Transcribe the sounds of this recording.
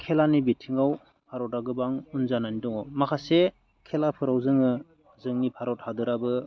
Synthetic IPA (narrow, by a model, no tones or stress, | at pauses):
kʰelanibitʰiŋaw | pʰaɾɔtaɡɯbaŋunzananidɔŋɔmakʰase | kʰelapʰɯɾawzɯŋɯ | zɯŋnipʰaɾɔt̚hadɯɾabɯ